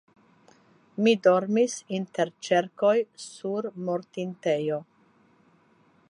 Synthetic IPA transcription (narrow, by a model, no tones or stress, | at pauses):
mido̞ɾmisinte̞ɾt͡ʃe̞ɾkojsuɾmoɾtintejo